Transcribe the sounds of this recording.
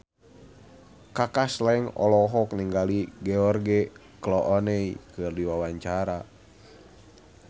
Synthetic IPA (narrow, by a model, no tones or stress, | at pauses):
kakaslaɛŋɔ̰lɔɦɔkniŋɡaliɡɛɔrɡɛ | klɔʔɔnɛikɨrdiwawaɲt͡ʃaɾa